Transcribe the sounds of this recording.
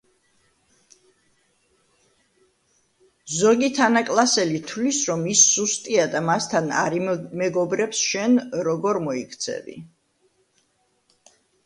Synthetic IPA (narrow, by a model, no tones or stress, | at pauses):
zɔɡit̪ʰanakʼlˠasɛlit̪ʰlisɾɔmisːust̪ʼiad̪amast̪ʰana̰ɾimɛɡɔbɾɛpsʃɛnɾɔɡɔɾmɔikʰt̪sʰɛ̰vḭ